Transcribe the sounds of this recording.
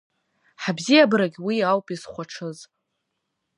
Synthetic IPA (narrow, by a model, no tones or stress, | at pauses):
ħabzijabɨɾaɡʲwiawpʼizχʷaʈ͡ʂʰɨz